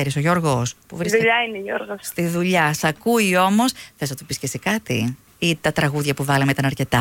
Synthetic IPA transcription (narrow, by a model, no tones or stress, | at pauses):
eɾisoʝo̞ɾɣo̞spuvɾisðʎɐineʝoɾɣosst̪iðuʎɐsɐkuio̞mo̞sθesnɐt̪opiscesikɐt̪ḭ | it̪ɐt̪ɾɐɣuðʝɐpuvɐlemeit̪ɐnɐɾce̞t̪ɐ